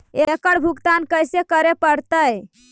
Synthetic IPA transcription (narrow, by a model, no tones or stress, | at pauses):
ekəɽbʱukt̪ankəjsekəɾepəɾt̪əj